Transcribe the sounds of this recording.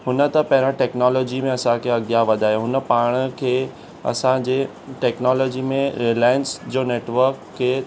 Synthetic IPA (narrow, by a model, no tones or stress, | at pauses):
ɦʊnə̆t̪ɐpɐɦɪɾãʈɛːknɔːlɔːd͡ʑimẽɐsãkʰeːɐɡjaʋɐd̪ʱaːɦjoɦʊnə̆paːɽ̃əkʰeː | ɐ̰sãd͡ʑeː | ʈeːknɔːlɔːd͡ʑimẽɾilaːjɪnsd͡ʑoːneːʈʋəɾkʰːeː